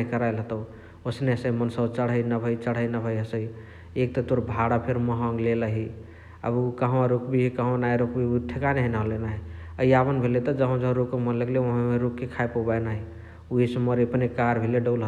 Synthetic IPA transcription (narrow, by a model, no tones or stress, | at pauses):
ɦikəɾajlɦət̪ə | osneəsəimənsəbt͡ʃəɽ̤ɦəjnəbʱəjt͡ʃəɽ̤əinəbʱəjɦəsəj | ek̚t̪ɔt̪oɾbʱaɽapʰeɾməɦə̃ŋɡleləɦi | ə̰bukəɦaɾukbʱiɦikəɦə̃najɾokbʱiut̪ʰekaneɦənaɦolenaɦiəiabənbʱelet̪ɔd͡ʒəɦə̃d͡ʒəɦɾukːemənləɡleəɦmeɾukkːekʰaepobajnaɦi | uɦisəməɾepnekaɾbʱeleɖəlɦə